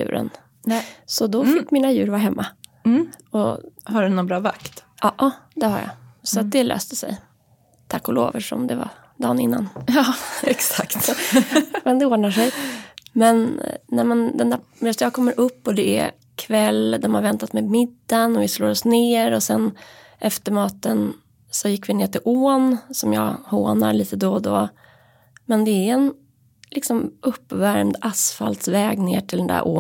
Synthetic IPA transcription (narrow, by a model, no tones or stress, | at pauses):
ʉ̟̰ːɾʔə̰n | sɔd̪ɔfɪkːmiːnajʉ̟ːɾvaɦɛmːʔa | ɔhaɖɵnɔnbɾɑːva̰kt̪ʔɑʔɑd̪ɛha̰ɾja̰sɔat̪̚d̪ɛlø̰ːst̪əsɛ̰j | t̪ʰakːʊlo̰ːvəʂɔ̰md̪ɛva̰ | d̪ɑ̰ːnɪnːa̰n | ɛksakt̪ | mɛnd̪ɛoːɖɳaʂɛjmɛnnɛmɛnd̪ɛnd̪æɛst̪jɑːkʰɔmːəɾʔɵpːɔd̪ɛæ̰ | kʰvɛlːd̪ɔmhaɾvɛnt̪at̪mɛmɪd̪ːanɔvɪsloːɾɔsneːɾɔsɛn | ʔɛft̪əɾmɑːt̪ən | sɔjɪkːvɪneːʈɪlʔoːnsɔmjɑ̰ːhoːna̰ɾɭiːt̪əd̪oːd̪o̰ː | mɛnd̪ɛæɾɛn | lʔɪksɔmʔɵpːvæɾmd̪asfa̰lt̪svɛːɡneːʈɪld̪ɛnd̪æ̰ɾʔo̰ː